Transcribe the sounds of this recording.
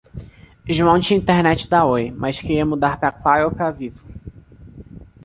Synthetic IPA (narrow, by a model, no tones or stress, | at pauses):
iʒmɐ̃w̃d͡ʒɪĩnt̪eɾnɛt͡ʃɪd̪aojmaskeɾiɐmud̪aɾpɾɐklaɾowpɾavivʊ